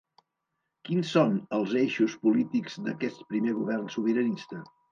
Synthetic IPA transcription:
kinsonəlˠzeʃuspulit̪ikzd̪əkɛst̪̚pɾimeɣ̞uβɛrnsuβ̞əɾənist̪ə

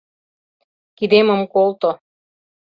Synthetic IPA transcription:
kid̪emə̆mkolt̪o

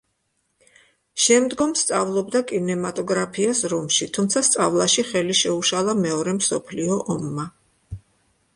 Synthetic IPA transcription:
ʃɛmd̪ɡɔmst̪sʼavlˠɔbd̪akʼinɛmat̪ʼɔɡɾapʰiasɾɔmʃit̪ʰumt̪sʰast̪sʼavlˠaʃiχɛliʃɛuʃalˠamɛɔɾɛmsɔpʰliɔʔɔmːa

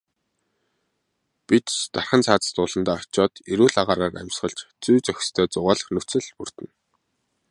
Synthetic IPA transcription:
pit̪t̪arχə̆nt͡sʰaːt͡sə̥̆st̪ʊːɮə̆nt̪aːɔt͡ɕɔːt̪iɾuːɮaʁaːɾaːræ̰mʲsχə̆ɮt͡ɕt͡sujt͡sœxʲst̪ʰœːt͡sʊʁaːɮə̆χnɵt͡sɘ̆ɮpur̥t̪ɘ̆n

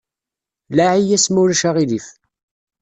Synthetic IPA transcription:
laʕijæsmuɾæʃaʁilif

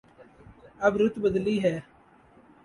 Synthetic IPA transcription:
əbɾʊt̪bəd̪liːɦɛː

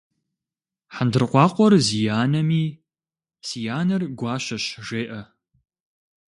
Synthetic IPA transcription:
ħandɨrqʷɑːqʷɔrzijaːnɐmiː | sijaːnɐrɡʷɑːɕɐɕʒeːʔɐ

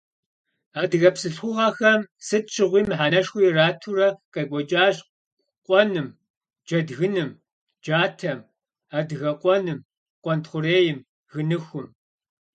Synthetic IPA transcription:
aːdɨɣɐpsɨɬxʷʊʁɐxɐmsɨt̚t͡ʃʰʼɨʁʷiːmħaːnɐʂxʷiːraːtʰurɐqɐɡʷɔt͡ʃʼaːɕʼ | qʷʼɔnɨm | d͡ʒɐdɣɨnɨm | d͡ʒaːtʰɐm | aːdɣɐqʷʼɔnɨm | qʷʼɔntχʷʊreːjɪm | ɣɨnɨxʷʊm

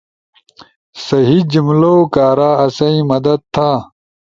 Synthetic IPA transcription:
sɐɦid͡ʑumloːkaːɾaːɐsɐĩmɐd̪ɐd̪̚t̪ʰːa

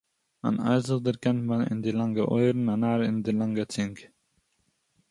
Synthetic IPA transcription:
a̰na̰ɪzəd̪əɾkantmanɪ̰ndiːlaŋɡəʔɔʏɾn̩anaːɾɪndilaŋɡət͡sɪŋk

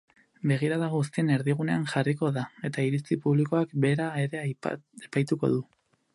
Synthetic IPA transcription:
be̞ɣ̞iɾaðaɣst̪iene̞ɾðiɣ̞uneaŋʝariko̞ðae̞t̪aiɾit͡sipuβliko̞akbe̞ɾae̞ɾe̞epajt̪uko̞̰ðu

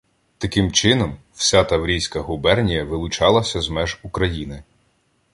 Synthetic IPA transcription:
t̪ɐkɪmt͡ʃɪnɔm | w̥sʲat̪ɐwɾʲijsʲkɐɦʊbɛrnʲijɐʋɪlˠʊt͡ʃɑlˠɐsʲɐzmɛʒukɾɐjinɪ

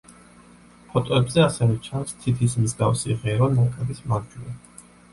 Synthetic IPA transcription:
pʰɔt̪ʼɔɛbzɛasɛvɛt͡ʃʰanst̪ʰit̪ʰismzɡafsiʁɛɾɔnakʼɛbismaɡd͡ʒuɾɛ

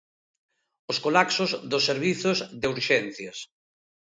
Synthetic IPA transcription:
oskolaksʊzðʊsːeɾβ̞iθʊzðeuɾʃɛn̟θjas

